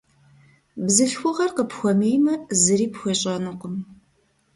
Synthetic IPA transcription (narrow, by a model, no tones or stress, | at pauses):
bzɨɬxʷʊʁɐrqəpxʷɔmeːjmɐzɨɾiːpxʷɔɕʼɐnɨqʷʊm